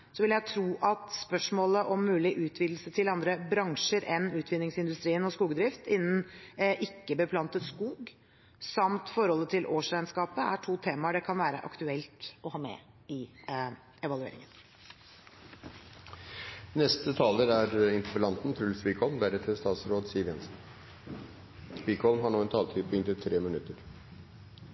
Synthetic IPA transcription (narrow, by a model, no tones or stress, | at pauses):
sɔʋɪljæt̪ʰɾuːʔɑt̪spœʂmoːləʔɔmːʉːlɪʔʉːt̪ʰʋiːd̪l̩sət̪ʰɪlɑnd̪ɾəbɾɑŋʂəɾʔɛnːʉːt̪ʰʋɪd̪nɪŋsɪnd̪ʉst̪ɾiːənɔskuːɡd̪ɾɪft̪ɪnːən̩ʔɪkːəbəpʰlɑnt̪ət̪skuːɡ | sɑmt̪fɔɾhɔlːət̪ʰɪlʔoːʂæɪənskɑːpəæʈʰuːt̪ʰeːmɑɖɛkʰɑnʋæːɾə̰ʔɑ̰kt̪ʉɛlt̪ʔɔhɑːmɛ̰ | ɪ | ɛʋɑlʉḛːɾɪ̰ŋən | nɛst̪ət̪ʰɑːləɾæɾɪnt̪əɾpəlɑnt̪n̩t̪ʰɾʉlsʋiːkʰɔlmb̪æɾət̪ʰɪlst̪ɑːt̪sɾoːd̪siːəɾʋjɛnsn̩ | spikʰɔlmɦɑɳoːɛnt̪ʰɑːlt̪ʰiːd̪pʰɔʏŋnt̪ɪt̪ʰɾeːmɪnʉt̪ːəɾ